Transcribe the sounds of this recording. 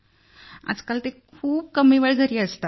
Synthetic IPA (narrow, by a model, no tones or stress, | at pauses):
a̰d͡zkalt̪ekʰuːb̚kəmiːʋəɭɡʱəɾiːəst̪a